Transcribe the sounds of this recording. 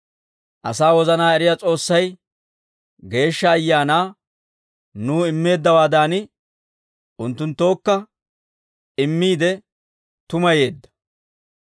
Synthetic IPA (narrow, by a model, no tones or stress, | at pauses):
ʔɐsaːwɔzɐnaːɛɾɪjaːt͡sʼo̞ːsːɐj | ɡe̞ːʃːɐːjːaːnaː | nuːɪmːe̞ːd̪ːɐwaːd̪aːnɪ | ʔʊnt̪ːʊnt̪ːo̞ːkːɐ | ɪmːiːd̪ɛ | t̪ʊmɐje̞ːd̪ːɐ̥